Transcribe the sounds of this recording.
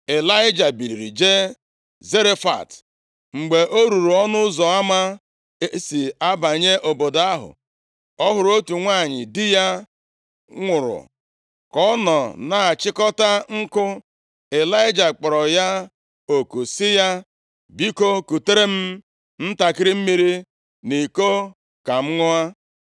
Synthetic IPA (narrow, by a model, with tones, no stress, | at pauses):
e˨la˦ɪ˦d͡ʒa˨bi˨ɾi˨ɾḭ˨d͡ʒe˦ | ze˦ɾe˦fa̰˨t | ŋ͡m̩˨ɡ͡be˨ʔo˦ɾu˨ɾu˨ɔ˦nʊ˦zɔ˨a˦ma˦ | e˦si˨a˦ba˨ɲe˦ʔo˨bo˨da˦ɦʊ̰˨ | ɔ˦ɦʊ˨ɾʊ˨˦o˦tu˨ŋʷaː˦˨ɲɪ̰˨dɪ˦ja˦ | ŋʷʊ˨ɾʊ̰˨ | kɔ˦nɔ˨na˨a˨t͡ʃɪ˦kɔ˦ta˦ŋ̩˦kʊ˦ | e˨la˦ɪ˦d͡ʒa˨k͡pɔ˨ɾɔ˨ja˦ | o˨ku˨sɪ˦ja˦ | bi˦ko˦ku˨te˦ɾe˦m̩˦ | n̩˦ta˨kɪ˦ɾi˦m̩˦mi˦ɾi˦ | ni˨ko˦ | ka˨m̩˦ŋʊ˦a˦